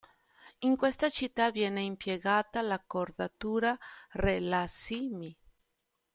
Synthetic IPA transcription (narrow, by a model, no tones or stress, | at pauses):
iŋkwest̪at͡ʃit̪ːavjɛːneimpjeɡaːt̪alakoɾd̪at̪uːɾarelasimi